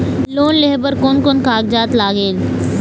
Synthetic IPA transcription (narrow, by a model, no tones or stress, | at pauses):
loːnleɦbəɾkonkonkaːɡ̚d͡ʒaːt̪laːɡeːl